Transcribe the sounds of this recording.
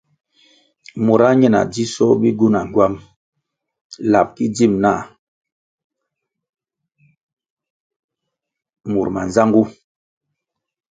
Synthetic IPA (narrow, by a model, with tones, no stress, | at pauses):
mu˨ɾa˦ɲɛ˦˨na̰˨di˦sɔ˦bi˦ɡu˦na˨ŋ˨ɡwa˦m | la˨p̚ki˦d͡ʒi˦˨mna˦˨ | mu˨ɾma˨nza˦ŋɡu˦